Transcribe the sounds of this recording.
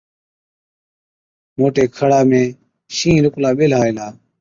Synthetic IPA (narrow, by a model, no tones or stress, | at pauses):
moːʈeːkʰəɽaːmẽː | ʃĩːɾʊklaːɓɪlɦaːiːlaː